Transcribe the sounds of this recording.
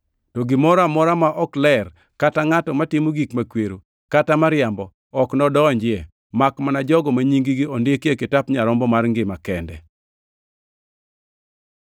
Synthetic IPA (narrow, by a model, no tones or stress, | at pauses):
tɔɡɪmɔɾamɔɾamaʔɔklɛr | kataŋatɔmatɪmoɡikmakweɾo | katamaɾɪambɔ | ɔknɔdɔɲd͡ʒɪe | makmanad͡ʒɔɡɔmaɲiŋɡiɡiɔndɪekekɪtapɲaɾɔmbɔmarŋɡɪmakɛndɛ